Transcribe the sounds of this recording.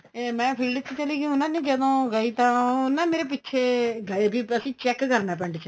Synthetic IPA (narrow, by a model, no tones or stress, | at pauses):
emɛ̃ːpʰiːlɖət͡ʃt͡ʃəliːɡiʊnãːnĩːd͡ʒəd̪õːɡəiːt̪ãːʊnːãːmeːɾeːp̬ɪtːʃʰeːɡəebiːpəsĩːt͡ʃɛːkːkəɾnaːp̬ɛɳɖt͡ʃʰə